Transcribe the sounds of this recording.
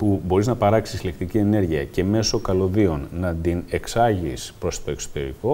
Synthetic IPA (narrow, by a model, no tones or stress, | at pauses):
pubo̞ɾiznɐpɐɾɐksi̥sile̞kt̪icie̞ne̞ɾʝiɐce̞me̞so̞kɐlo̞ðio̞nːɐd̪ine̞ksɐʝispɾo̞st̪o̞e̞kso̞̥t̪e̞̰ɾḭko̞